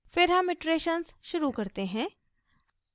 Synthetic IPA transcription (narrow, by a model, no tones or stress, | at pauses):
fɪɾɦɐmːɪʈɾeːʃənsʃʊɾukɐɾt̪eɦɛ̃ː